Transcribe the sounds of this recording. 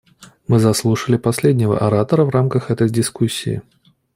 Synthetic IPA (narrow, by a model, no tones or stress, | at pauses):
mɨzɐslˠuʂəlʲɪpɐsʲlʲedʲnʲɪvə̰ʔɐɾat̪əɾəvɾamkəxɛt̪əjdʲɪskusʲːḭː